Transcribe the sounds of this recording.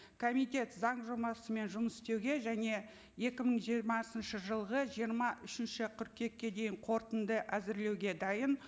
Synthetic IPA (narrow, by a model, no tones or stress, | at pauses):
kʰo̞mijt̪ʲe̞t̪zɑɴʒomɑsəme̞nʒʊməsɪ̥st̪e̞wɡʲe̞ʒæne̞ | je̞kʲɪməɴʒijɾmɑsənʃəʒəlˠʁəʒijəɾmɑʔʏʃɪnʃɪqʲʰʏɾkʲːe̞kʲːe̞d̪e̞jɪɴqʰo̞ɾt̪ənd̪əʔæzɪɾle̞wɡʲe̞d̪ɑjən